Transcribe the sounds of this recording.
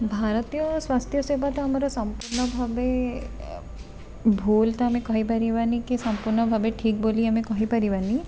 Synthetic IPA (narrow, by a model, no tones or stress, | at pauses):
bʱaːɾət̪ijɔswaːst̪ʰjəseːbat̪ɦɐmɾosɐmpuɾɳəbʱabe | bʱuːlt̪ɐɐmẽkɔɦĩpɐɾiʋanikisɐmpuɾɳəbʱabeʈʰiːk̚boːliɐmẽkɔɦipɐɾiʋani